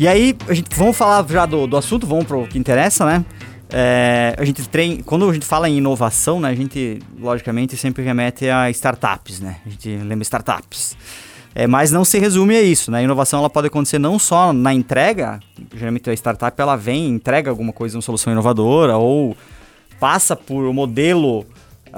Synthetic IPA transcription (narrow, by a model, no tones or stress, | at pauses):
iaiaʒẽnt̪ɪ̥vɐ̃mʊfalaɾʒad̪ʊd̪ʊasũnt̪ʊvɐ̃w̃pɾʊkɪĩnt̪eɾɛsɐnɛ | ɛa̰ʒẽnt̪ɪt̪ɾẽj̃kwɐ̃nd̪ʊaʒẽnt̪ɪ̥falɐẽinovasɐ̃w̃nɛɐʒẽnt̪ɪlɔʒikamẽnt̪ɪsẽmpɾɪɦemɛt̪ɪaɪst̪aɾt̪a̰pɪsnɛ̰ɐʒẽnt̪ɪlẽmbɾɐɪst̪aɾt̪a̰pɪ̥s | ɛ̰mɐznɐ̃w̃sɪɦezũmɪɛisʊnɛɐinovasɐ̃w̃ɛlɐpɔd̪ɪakõt̪e̥seɾnɐ̃w̃sɔnɐẽnt̪ɾɛɡɐ̰ʒeɾawmẽnt̪ɐɪst̪aɾt̪apɪɛlɐvẽj̃ẽnt̪ɾɛɡɐawɡũmɐkojzɐũmɐsolusɐ̃w̃ĩnovad̪oɾɐow | pasɐpʊɾʊmod̪elʊ